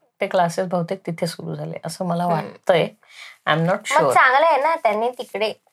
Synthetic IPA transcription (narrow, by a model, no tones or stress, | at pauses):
t̪eklasesbʱəwt̪ek̚t̪it̪ʰesuɾṵːd͡zʱalḛʔəsəːməlaʋaʈt̪əje | a̰jmnɔʈɕməuɾt͡sãŋɡləjenat̪janːit̪ikɽe